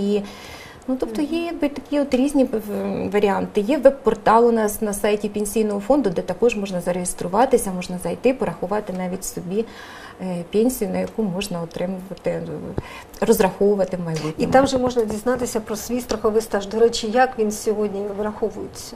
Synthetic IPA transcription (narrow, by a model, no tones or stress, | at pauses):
i | nut̪ɔp̚t̪ɔjɛjɐɡ̚bɪt̪ɐkʲiɔt̪ɾʲizʲnʲiʋɐɾʲɪɑnt̪ɪjɛʋɛbpɔrt̪ɑlˠʊnɑsnɐsɑjtʲipʲenʲsʲijnɔɦɔfond̪ʊd̪ɛt̪ɐkɔʒmɔʒnɐzɐɾejʲɪst̪ɾʊʋɑt̪ɪsʲɐmɔʐnɐzɐjt̪ɪpɔɾɐxʊʋɑt̪ɪnɑʋʲitʲsɔbʲi | pʲenʲsʲijʊnɐjɐkumɔʐnɐɔt̪ɾɪmʊʋɐt̪ɪ | rɔzrɐxɔʋʊʋɐt̪ɪmɐjbutʲnit̪ɑmʐɛmɔʐnɐdʲiznɑt̪ɪsʲɐpɾɔsʲʋʲijst̪ɾɐxɔʋɪst̪aʒd̪ɔɾɛt͡ʃɪjakʋʲinsʲɔɦodʲnʲiʋɾɐxɔʋʊjɪt͡sʲːɐ